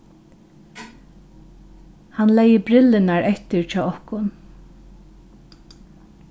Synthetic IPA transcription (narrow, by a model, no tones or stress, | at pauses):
hanlɛjəbɾɪlɪnaɹʔɛht̪ɪɹt͡ʃʰɔːɔhkʊn